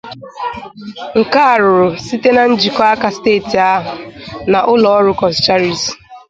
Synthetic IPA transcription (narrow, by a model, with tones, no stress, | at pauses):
ŋ̩˨ka˦a˨ɾʊ˨ɾʊ˨si˦te˦na˨n̩˦d͡ʒi˨kɔ˦a˦ka˨steː˦˨ti˨a˦ɦʊ˨na˨ʔʊ˦lɔ˨ɔ˦ɾʊ˨kɔ˨st͡ʃa˦ɾi˨s